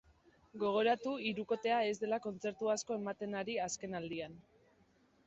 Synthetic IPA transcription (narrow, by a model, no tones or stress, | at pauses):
ɡo̞ɣ̞o̞ɾat̪uiɾuko̞t̪e̞ae̞zd̪e̞lako̞nt͡se̞ɾt̪uasko̞e̞mat̪e̞naɾiaske̞nald̪ian